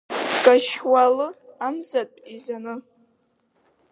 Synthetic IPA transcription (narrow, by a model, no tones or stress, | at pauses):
ɡʼaʃwalɨamzatʼizanɨ